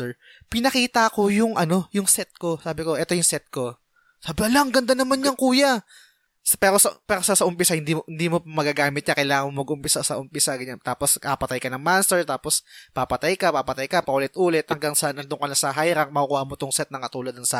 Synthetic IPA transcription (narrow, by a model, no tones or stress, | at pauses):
ɛɹ | pɪnɐkiːt̪ɐko̞jʊŋʔɐno̞jʊŋsɛt̪̚ko̞saːbɪko̞ʔɛt̪o̞jʊŋsɛt̪̚ko̞ | sɐbɐlaŋɡɐnd̪anɐmanɲɐŋkuːjɐ | spɛːɾo̞sɐpɛːɾosasɐʔʊmpɪsahɪnd̪imohɪnd̪iːmopmɐɡaːɡaːmɪt̪̚ɲakɐjlaːŋɐŋmomɐɡʔʊmpɪsasɐʔʊmpɪsaɡɐɲant̪aːposɐɐpɐt̪ajkɐnɐŋmanst̪ɛɹt̪aːpospapɐt̪ajkɐpapɐt̪ajkɐpɐʔʊlɪt̪̚ʔuːlɛt̪̚hɐŋɡaŋsɐʔnʔɐnd̪oŋkɐnasɐɦajɾɐŋ̚mɐʔukuːhamot̪oŋsɛt̪̚nɐŋkɐt̪uːlɐd̪̚ɐŋsɐ